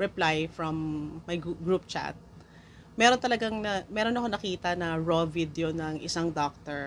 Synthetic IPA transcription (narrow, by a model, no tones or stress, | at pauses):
ɹɛplajfɹɐmːɐjɡuɡɹup̚t͡ʃa̰t̪̚ | mɛːɾont̪ɐlɐɡaŋnɐmɛɾo̞nɐkonɐkiːt̪ɐnɐɹovid̪jonɐŋʔɪsaŋd̪ok̚t̪ɛɹ